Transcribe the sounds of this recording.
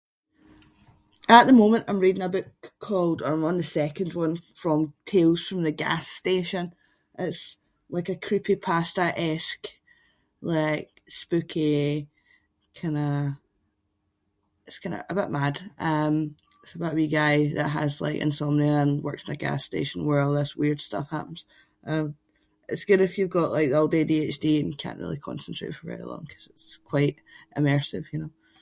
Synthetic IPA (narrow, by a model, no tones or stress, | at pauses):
əʔðəmõmə̃nʔãɪ̃mɹidɪ̃ŋəbɪʔkʰolˠdə˞ãɪ̃mə̃nðəsɛkə̃ndwʌ̃nfɹə̃mtʰelˠz̥fɹə̃mðəɡa̰steʃə̃n | ʔɪts | lˠaɪkəkʰɹ̥ipʰipʰastəʔɛsk | lˠaɪk | spʉkʰi | kʰãɪ̃nə | ɪtskʰãɪ̃nə̰ʔəbɪʔmad̥ʔʌ̃m | ɪtsəbʊʔbiɡaɪðə̰ʔɦə̰zlˠa̰ɪkɨ̰̃nsomnəə̃nwɜ̰˞ksə̃n̩əɡa̰stḛʃə̃n̩wə˞ɔlˠðəswiɹd̥stʌ̰fha̰pə̃n̩z̥ | ʔʌ̃m | ɪtsɡ̥ʉdɪfjɨvɡɔʔlˠaɪk̚ðɔlˠdediet͡ʃd̥iɨ̃njəkʰã̰nʔɹḭlˠikʰɔ̰̃nsə̃n̩tɹ̥ḛʔfə˞vɛ̰ɹḭlˠɔ̰̃ŋkʰʌ̥z̥ɪtskʰw̥aɪʔʔɪmɜ˞sɪ̰v̥jɨnoʊ